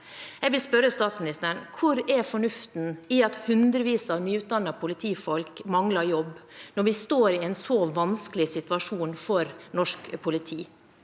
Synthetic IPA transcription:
jɛɡʋɪlspœɾəst̪ɑːt̪smɪnɪst̪əɳkʰʊɾɛfɔɳʉft̪n̩ɪɑt̪hʉnd̪ɾəʋiːsɑʋnyːʉːt̪̚d̪ɑnːɑpʰʊlɪt̪ʰiːfɔlkmɑŋlɑɾjɔbnɔɾʋɪst̪oːɾɪɛnsoʋɑnskəlɪsɪt̪ʉʋɑʂuːnfɔɾnɔʂkpʰʊlɪt̪ʰiː

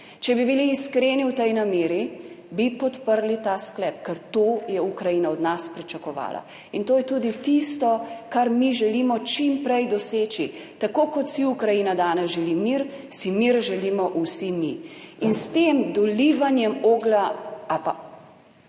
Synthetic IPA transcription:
t͡ʃɛbibiliːskɾeːniwt̪ɛjnameːɾi | bipɔt̪pəɾlit̪asklɛp̚kɛɾt̪ojɛukɾajiːnaɔd̪naspɾit͡ʃɐkɔʋa̰ːlʔa̰ | int̪oːjɛt̪ud̪it̪ist̪ɔkaɾmiʒɛlimɔt͡ʃimpɾɛjd̪ɔseːt͡ʃi | t̪akoːkɔt̪siukɾajiːnad̪aːnɛzʒɛlimiɾsimiɾʒɛlimɔʔusimiinst̪emd̪ɔliʋanjɛmoɡlaapa

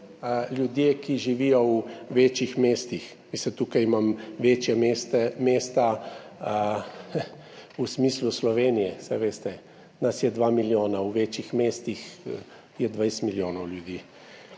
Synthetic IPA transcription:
ljud̪jeːkiʒiʋiːjɔuʋeːt͡ʃixmeːst̪ix | ʋist̪ɛt̪uːkajimamʋeːt͡ʃjɛmest̪ɛmeːst̪a | usmiːsluslɔʋeːnijɛsɛʋeːst̪ɛ | nasjɛd̪ʋamiljoːnauʋet͡ʃjixmeːst̪ix | jɛd̪ʋajst̪miljoːnɔwljud̪iː

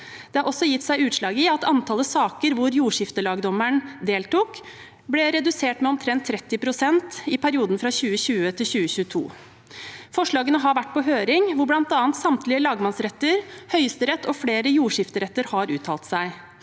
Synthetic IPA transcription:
d̪̥ɛhɑɾʔɔsːɔjɪt̪ːsæɪʉːt̪ʂlɑːɡɪɑt̪ɑnt̪ʰɑːləsɑːkəɾʋʊɾjuːʂɪft̪əlɑːɡd̪ɔməɳd̪eːlt̪uk | blɛɾɛd̪ʉseːʈmɛɔmt̪ʰɾɛnt̪ʰːɾɛt̪ːɪpʰɾʊsɛnt̪ɪpʰæɾɪuːd̪n̩fɾɑɕʉːəɕʉːət̪ʰɪlɕʉːəɕʉːət̪ʰṵː | fɔʂɭɑːɡənəɦɑɾʋæʈːpɔɦøːɾɪŋʋʊɾblɑnt̪ɑːnt̪sɑmt̪lɪəlɑːɡmɑnsɾɛt̪ːəɾhœʏst̪əɾɛt̪ːɔfleːɾəjuːʂɪft̪əɾɛt̪ːəɾhɑɾʉːt̪ʰɑːlt̪sæɪ

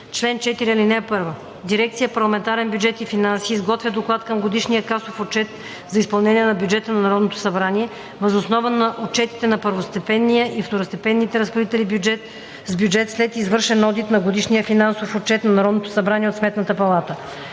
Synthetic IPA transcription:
t͡ʃlɛnt͡ʃɛt̪iɾiɐlinɛɛpɤɾvə | d̪iɾɛk̚t̪sijəpɐɾlˠɐmɛnt̪aɾɛnbjud͡ʒɛt̪ifinansiːzɡɔt̪vʲəd̪oklˠat̪kəmɡod̪iʃnijəkasofot͡ʃɛt̪ | zɐispɐlˠnɛniɛnɐbjud͡ʒɛt̪ənɐnɐɾɔd̪not̪o̥sɐbɾaniɛ | vɐzosnɔvənɐʔot͡ʃɛt̪i̥t̪ɛnɐpəɾvost̪ɛpɛnːijəʔift̪oɾost̪ɛpɛnːit̪ɛɾəsxod̪it̪ɛlibd͡ʒɛt̪ | zbjud͡ʒɛt̪slɛt̪izvɤɾʃɛnɔd̪it̪nɐɡod̪iʃnijəfinansofot͡ʃɛt̪nɐnɐɾɔd̪not̪o̥sɐbɾanʲiɛot̪smɛt̪nət̪əpɐlˠat̪ə

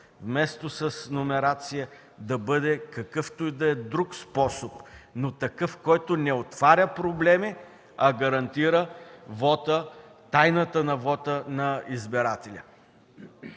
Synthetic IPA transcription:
vmɛst̪osɐsnomɛɾat̪sijə | d̪ɐbɤd̪ɛkɐkɤft̪oid̪ɐɛd̪ɾukspɔsopnot̪ɐkɤfkɔjt̪onɛot̪vaɾʲəpɾoblɛmi | ɐɡɐɾɐnt̪iɾəvɔt̪ə | t̪ajnət̪ənɐvɔt̪ənɐizbɛɾat̪ɛlʲə

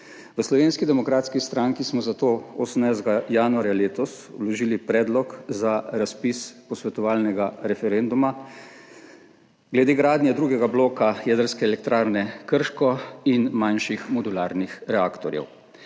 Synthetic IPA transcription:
ʋəslɔʋeːnskid̪ɛmɔkɾaːt̪skist̪ɾaŋkismɔzat̪oːoːsəm̩najzd̪ɡajaːnuaːɾjaleːt̪ɔs | wlɔʒiːlipɾɛːd̪lɔkzaɾaspispɔsʋɛt̪ɔʋaːlnɛɡaɾɛfɛɾend̪uma | ɡlɛd̪eːɡɾaːd̪njɛd̪ɾuːɡɛɡabloːkajɛːd̪əɾskɛːlɛk̚t̪ɾaːɾnɛkəɾʃkɔinmanʃixmɔd̪ulaːɾnixɾɛakt̪ɔɾjɛ̰w

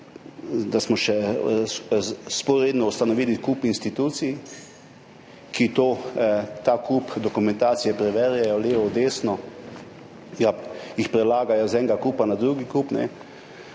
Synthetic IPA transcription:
d̪asmɔʃɛ | spɔɾed̪nɔust̪anɔʋilikuːpinst̪it̪uːt̪sij | kit̪oːt̪aːkʰupd̪ɔkumɛ̃nt̪aːt̪sijɛpɾɛʋɛɾjajɔleːʋɔd̪eːsnɔ | ɡajixpɾɛlaːɡajɔzɛːŋɡakuːpanad̪ɾuɡikupnɛ

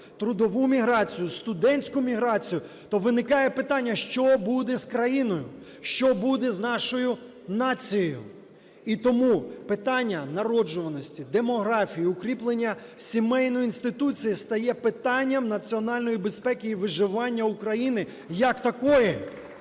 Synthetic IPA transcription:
t̪ɾʊd̪ɔʋumʲiɦɾɑt͡sʲijʊst̪ʊd̪ɛnʲsʲkʊmʲiɦɾɑt͡sʲijʊ | t̪ɔʋɪnɪkɑjɛpɪt̪ɑnʲːɐʃt͡ʃɔbud̪ɛzkɾɐjinɔjʊ | ʃt͡ʃɔbud̪ɛznɑʃɔjʊ | nɑt͡sʲijɔjʊ̰ | it̪ɔmupɪt̪ɑnʲːɐnɐɾɔd͡ʒʊʋɐnɔsʲtʲid̪emɔɦɾɑfʲijiʊkɾʲiplˠenʲːɐ | sʲimɛjnɔjʊinst̪ɪt̪ut͡sʲijist̪ɐjɛpɪt̪ɑnʲːɐmnɐt͡sʲiɔnɑlʲnɔjibe̞spɛkʲɪːʋɪʒɪʋɑnʲːɐukɾɐjinɪ | jɐkt̪ɐkɔjɛ

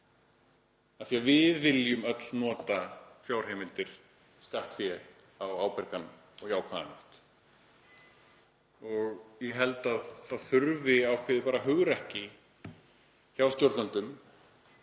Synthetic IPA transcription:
ɛnθiavɪðvɪljʏmœt̪lnɔːt̪afjaːwr̥hɛːmɪlt̪ɪɾ̥ | skaht̪fjɛ | awaːwpɛɾkan | ɔɣçaːwkʰaðanʏht̪ | ɔɣjɛɦɛlt̪aðθaðθʏɾvɪawkʰvɪðɪpaːɾaɦʏɣɾɛhcɪ | çawscowɾt̪nant̪ʏm

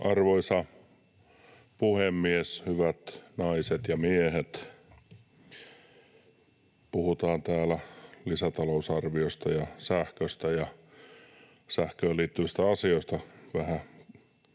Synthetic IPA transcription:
ʔɑrʋoisɑ | puhemːieshyʋæt̪nɑiset̪jɑmiehet̪ | puhut̪ɑːnt̪æːlælisæt̪ɑlousɑrʋiost̪ɑjɑsæhkøst̪æjɑ | sæhkøːliːt̪ːyist̪æɑsioist̪ɑʋæhæ

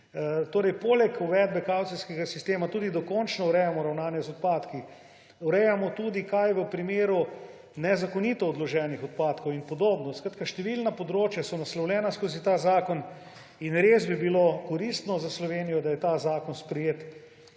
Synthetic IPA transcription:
t̪oːɾɛjpoːlɛkuʋɛd̪̚bɛkawt̪siskɛɡasist̪eːmat̪uːd̪id̪ɔkɔnt͡ʃnɔuɾɛjamɔɾawnaːnjɛzɔt̪̚paːt̪ki | uɾɛjamɔt̪uːd̪ikajʋəpɾimeːɾu | nɛzakonit̪ɔːd̪lɔʒɛːnixɔt̪̚paːt̪kowinpɔd̪oːbnɔskɾat̪kaʃt̪ɛʋilnapod̪ɾoːt͡ʃjasɔnaslɔwlʲɛːnaskoːzit̪aːzaːkɔn | inɾeːzbibilokoɾist̪nɔzaslɔʋeːnijɔd̪ajɛt̪aːzaːkɔnspɾɛjeːt̪

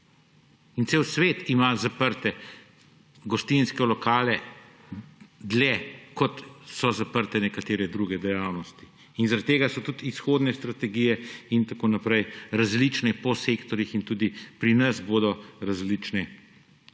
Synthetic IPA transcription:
int̪seːwsʋeːt̪imazapəɾt̪ɛ | ɡɔst̪inskɛlɔkaːlɛ | d̪lɛkɔt̪sɔzapəɾt̪ɛnɛkat̪eːɾɛd̪ɾuɡɛd̪ɛjaːwnɔst̪i | inzaɾat̪ːeːɡasɔt̪ut̪isxoːd̪nɛst̪ɾat̪ɛɡijɛint̪akoːnapɾɛjɾazlit͡ʃnɛpɔsekt̪ɔɾjixint̪uːd̪ipɾinɐsboːd̪ɔɾazlit͡ʃnɛ

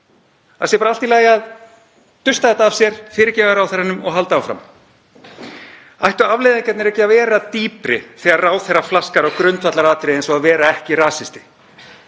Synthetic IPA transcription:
aðsɛjpaɾalt̪ilaːjað | t̪ʏst̪aðɛht̪aːv̥sjɛɾ̥fɪːɾɪcɛːɣaɾawθɛranːʏmɔɣɦalt̪aawfɾa̰m | ajht̪ʏavlɪjðɪŋcɛt̪nɛɾɛhcɪavɛːɾat̪iːpɾɪ̰θɛɣarraːwθɛrːaflaskaɾaɣkɾʏnt̪fat̪laɾaːt̪ɾɪejnsɔɣavɛːɾaɛhcɪɾaːsɪst̪ɪ̥

